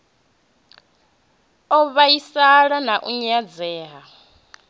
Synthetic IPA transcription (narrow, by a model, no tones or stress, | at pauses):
ɔβaisaɺanaʔuɲad͡zɛːɦa